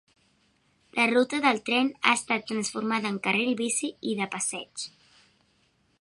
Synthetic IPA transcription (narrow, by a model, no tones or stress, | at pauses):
lʔərut̪əðəlˠt̪ɾɛna̰əst̪at̪ːɾənsfuɾmaðəːŋkəreɾiβisiiðəpəsɛt͡ʃ